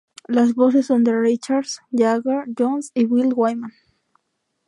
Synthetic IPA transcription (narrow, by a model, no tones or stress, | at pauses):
las̬βos̬esːond̪erit͡ʃaɾsjaɣad͡ʒonsiwilwajman